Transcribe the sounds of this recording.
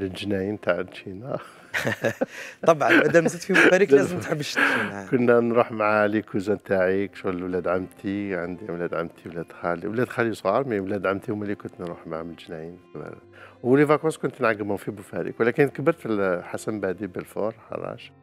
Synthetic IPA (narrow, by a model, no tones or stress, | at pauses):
ləlʒnæjint̪aʕnʃinæ | t̪ˤɑbʕɑʔæd̪æmzit̪fibʊfæɾikæzəmt̪ħəbːəʃt̪ikʊnːænɾˤuħmaʕalikʰuzænt̪aʕikʃuwlæd̪ʕamt̪ʰiʕənd̪iwlæd̪ʕamt̪ʰiwlæd̪xæliwlæd̪xælisˤɣɑɾˤmiwlæd̪ʕamt̪imælːikʊnt̪nɾuħmaʕməlʒnæjinkb̰ | wlivɑkwɑskʊnt̪nʕaɡəbhʊmfibufæɾḭkwlækənkəbəɾfilħasæmbaʕd̪ibəlfo̰ɾˤħɑ̰rˤɑ̰ʃ